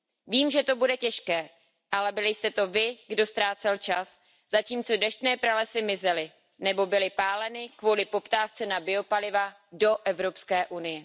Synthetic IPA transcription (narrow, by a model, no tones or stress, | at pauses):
viːmʒɛt̪o̞budɛcɛʃkɛː | ʔalɛbɪlɪjst̪ɛt̪o̞vɪɡdo̞st̪ɾaːt͡sɛlt͡ʃas | zaciːmt͡so̞dɛʃt̪nɛːpɾalɛsɪmɪzɛlɪ | nɛbo̞bɪlɪpaːlɛnɪkvolɪpo̞pt̪aːft͡sɛnabɪo̞palɪva | do̞ʔɛvɾo̞pskɛːʔunɪjɛ